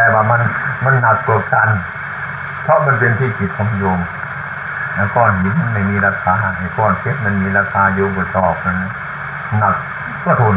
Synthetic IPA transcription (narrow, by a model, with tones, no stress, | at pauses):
t̪ɛː˧waː˧˩ma˧˥˨nma˧˥˨nːa˧p̚ku˧˩k̚t̪ʰa˧˥˨n | pʰɔ˧ʔma˧˥˨npe˧nt̪ʰiː˧˩ki˨˩t̪̚kʰɔː˨˦ŋ˧jo˧m | na˧˨kɔː˧˩˨ni˧˦ma˧˨nma˧˩jmiː˧˥˨la˧k̚saː˧˨na˧˩kɔː˧˩˨nkʰe˧˦˥t̪̚ma˧˥˨nmiː˧˥la˧k̚sʰaː˧juː˧˨bu˧˩sɔː˨˩p̚na˧˨nla˧˥˨ | na˧k̚ | kɔ˧˨t̪ʰo˧˨n